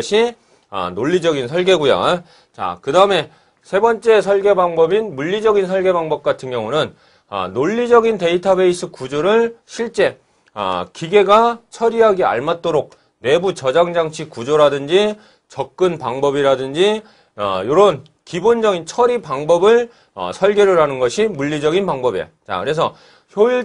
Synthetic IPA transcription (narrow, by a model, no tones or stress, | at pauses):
ɕʰi | ʌ̰noʎːid͡ʑʌɡinsʰʌɭɡe̞ɡuja̰ | t͡ɕa̰kɯdaɯme̞ | sʰe̞bʌnt͡ɕ͈e̞sʰʌɭɡe̞baŋbʌbinmuʎːid͡ʑʌɡinsʰʌɭɡe̞baŋbʌp̚k͈atʰɯnɡjʌŋunɯn | ʌ̰noʎːid͡ʑʌɡinte̞itʰabe̞is͈ʰɯkud͡ʑoɾɯɭɕʰiɭt͡ɕ͈e̞ | ʌ̰kiɡe̞ɡat͡ɕʰʌɾiɦaɡia̰ɭmat̚t͈oɾok̚ | ne̞but͡ɕʌd͡ʑaŋd͡ʑaŋt͡ɕʰikud͡ʑoɾadɯnd͡ʑi | t͡ɕʌk̚k͈ɯnpaŋbʌbiɾadɯnd͡ʑi | ʌ̰joɾʌn | kibond͡ʑʌɡint͡ɕʰʌɾipaŋbʌbɯɭ | ʌ̰sʰʌɭɡeɾɯɾɦanɯnɡʌɕʰimuʎːid͡ʑʌɡinpaŋbʌbḭja̰t͡ɕa̰kɯɾe̞sʰʌ | çjoiɭ